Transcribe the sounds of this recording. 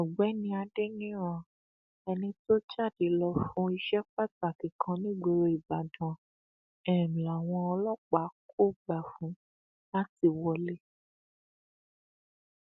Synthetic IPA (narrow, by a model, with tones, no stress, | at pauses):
ɔ̃˨ɡ͡bɛ˨˦nĩ˧˦a˧de˦nĩ˦ɾ̃ã˧˨ | ɛ˧nĩ˧to˦d͡ʒa˦˨di˨˦lɔ˧fũ˧˦i˧ʃɛ˦k͡pa˦ta˨kĩ˨kʰã˧˦nĩ˦˨ɡ͡bo˧ɾo˧i˨ba˨dã˨ | ɛ˨la˨w̃ɔ̃˧ɔ˧lɔ˦k͡pa˨˦kʰo˦˨ɡ͡ba˨fũ˨˦ | la˦ti˧˨wɔ˧le˦